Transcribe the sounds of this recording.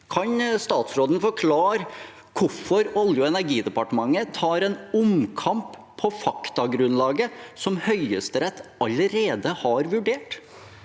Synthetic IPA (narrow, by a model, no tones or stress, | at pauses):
kʰɑnst̪ɑːt̪sɾoːd̪n̩fɔɾkʰlɑːɾə | kʰʊfɔɾɔljʊɛnæɾɡiːd̪ɛpɑʈəmɑŋːət̪ʰɑːɾɛnʊmkʰɑmpʰː | ɔfɑkt̪ɑɡɾʉnlɑːɡəsɔmhœʏəst̪əɾɛt̪ːɑləɾeːd̪əhɑɾʋʉɖeːʈ